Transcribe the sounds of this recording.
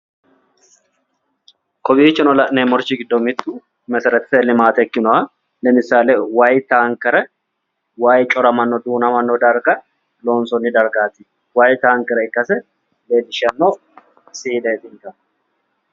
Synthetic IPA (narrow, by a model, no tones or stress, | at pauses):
kɔbiːt͡ʃːɪnɔlɐʔneːmɔɾt͡ʃːɪɡɪd̪ːɔmɪt̪ːʊ | mɛsɛɾɛt̪ːɪ̥sɛlɪmaːt̪ɛɛkːɪnɔwa | lɛmɪsːaːlewajt̪aːŋkɛɾɛ | waːjt͡ʃʼɔɾɐmɐnːɔd̪uːnɐmɐnːɔd̪ɐɾɡɐ | lo̞ːnsɔnːɪd̪ɐɾɡaːt̪ɪ | wajt̪aːŋkɛɾɛɪkːɐsɛ | leːlɪʃɐnːo | siːd̪ɐɛt̪ɪŋk̪ɐ